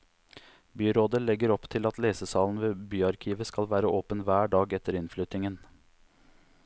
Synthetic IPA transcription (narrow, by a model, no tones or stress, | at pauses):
byːɾoːd̪əlɛɡəɾɔpt̪ʰɪlɑt̪leːsəsɑːln̩ʋeːbyːɑɾkʰiːʋəskɑlʋæːɾəʔoːpənʋæːɖɑːɡɛt̪əɾɪnflʏt̪ɪŋən